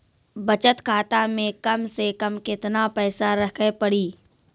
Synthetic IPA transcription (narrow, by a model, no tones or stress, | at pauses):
bɐt͡ʃət̪kʰaːt̪amẽkɐmsekɐmkɪt̪napɛːsaɾɐkʰepɐɽiː